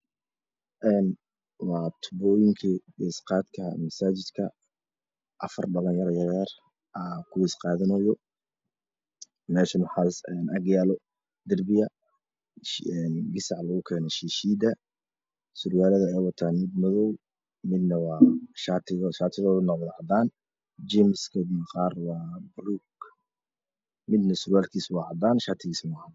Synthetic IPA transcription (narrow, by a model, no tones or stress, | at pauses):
ʔɛːn | wɑːt̪ʰʊ̥bɔːjɪŋkʰiɡɛsqɑːd̪kʰɐmɐsaːt͡ʃɪd̪kʰɐ | ʔɐfɐrɖɐlɐŋjɐɾjɐɣɛːr | ʔɐkʰʊwɛsqɑːðɪnɔjɔ | nɛːʃɪnʊħaːsɛːnʔɐɡjaːlɔ | d̪ɪrbɪjɐ | ɛnɡɪsɑʕlɐɣʊkʰɛːnɛʃiːʃiːd̪ɐ | sʊrwaːlɐðɐɛwɐt̪ʰaːnmɪd̪mɐðɔw | mɪd̪nɐwɑːʃaːt̪ʰɪɣʃaːt̪ʰɪðɔːðʊnɔbðʕɑd̪aːn | d͡ʒɛmɪskʰɐdibqɑːrwɑːbruɡ | mɪd̪nɐsʊɾaːlkʰiːswɑːʕɑd̪aːnʃat̪ʰɪɣiːsmaha